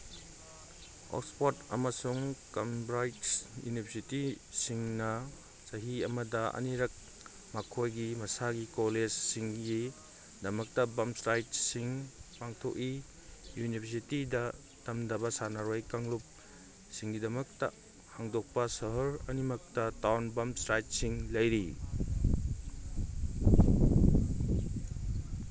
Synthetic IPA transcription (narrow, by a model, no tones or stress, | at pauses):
o̰kspotɐ̰mɐsuŋkɐmbɾajtjṵnibʰʱɐɾsiti | siŋnɐ | sɐɦiɐmɐdɐɐ̰niɾɐk̚ | makʰojɡimɐsaɡikoled͡ʒsiŋɡi | dɐmɐk̚tɐbɐmsɾajt̚siŋpaŋtʰoki | junibʰʱɐɾs̬itidɐ | tɐmdɐbɐsanaɾojkaŋlup̚ | siŋɡidɐmɐk̚tɐ̰ | haŋdok̚pɐsɐɦɐɾɐnimɐk̚tɐtawnbɐmsɾajt̚siŋlɐjɾi